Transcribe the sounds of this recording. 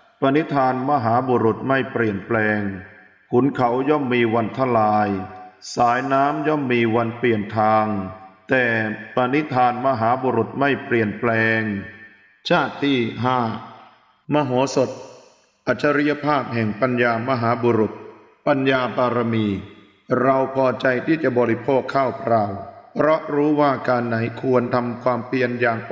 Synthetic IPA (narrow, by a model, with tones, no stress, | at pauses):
pa˧ni˦˥t̪ʰːaː˧nma˧ɦaː˩˦buː˧ɾu˨˩t̪̚ma˥˩jpɾi˨˩ənplɛː˧ŋ | kʰu˩˦nkʰa˩˦wjɔ˥˩mːiː˧wa˧nt̪ʰa˧˥˩laː˧jsaː˩˦jnaː˦˥mjɔ˥˩mːiː˧wa˧npli˨˩ənt̪ʰaː˧ŋt̪ɛː˨˩pa˧ni˦˥t̪ʰaː˧nma˧ɦaː˩˦buː˧ɾu˨˩t̪̚ma˥˩jpli˨˩ənplɛː˧ŋ | t͡ɕʰaː˥˩t̪ːiː˥˩ɦaː˥˩ | ma˧ɦɔː˩˦so˨˩t̪̚ | ʔa˨˩t̪̚t͡ɕʰːa˧ɾi˦˥ja˧˥pʰaː˥˩p̚ɦɛ˨˩ŋpa˧njaː˧ma˧ɦaː˩˦boː˧ɾu˨˩t̪̚ | pa˧njaː˧paː˧ɾa˧miː˧ | ɾa˧wpʰɔː˧t͡ɕa˧jt̪ʰiː˥˩t͡ɕa˨˩bɔː˧ɾi˦˥pʰoː˥˩kʰːaː˥˩wkʰɾaː˧wpʰɾɔ˦˥ʔɾuː˦˥waː˥˩kaː˧nːa˩˦jkʰu˧ənt̪ʰa˧mkʰwaː˧mpi˨˧ənjaː˨˩ŋ